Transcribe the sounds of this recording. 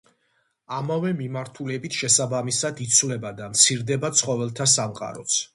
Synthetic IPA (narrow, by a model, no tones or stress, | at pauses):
amavɛmimaɾt̪ʰulɛbit̪ʰʃɛsabamisad̪it̪sʰvlɛbad̪amt̪sʰiɾd̪ɛbat̪sʰχɔvɛlˠt̪ʰas̬amqʼa̰ɾɔ̰t̪sʰ